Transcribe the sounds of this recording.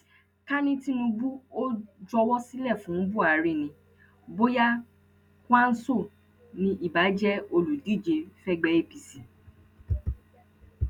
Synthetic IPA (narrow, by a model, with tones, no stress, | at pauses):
ka˦nĩ˦ti˦nũ˧bu˦o˦d͡ʒɔ˧wɔ˦si˦lɛ˦˨fũ˨˦bu˦a˨ɾi˦˨nĩ˧ | bo˦ja˦ | kwa˦n̩˦so˦˨ | nĩ˧ʔi˦˨ba˨˦d͡ʒɛ˦o˧lu˨di˦˨d͡ʒe˧fɛ˦ɡ͡bɛ˦e˦˨pi˧si˨